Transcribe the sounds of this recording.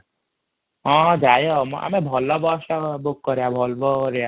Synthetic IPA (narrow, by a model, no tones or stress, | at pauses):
ɦɔ̃d͡ʒajɔm̰a̰mebʱɔlɔbɔʃabukːɔɾejabʱɔlbɔɾeja